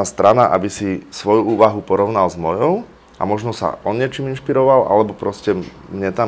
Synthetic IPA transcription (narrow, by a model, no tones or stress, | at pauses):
ast̪ɾʔanaʔa̰bisisʋɔjuuːʋaɦupɔɾɔʊnalzmɔjɔʊ | ʔa̰mɔʒnɔsa̰ɔnɲɪɛt͡ʃiminʃpiɾɔʋalʔa̰lɛbɔpɾɔscɛ | mɲɛt̪a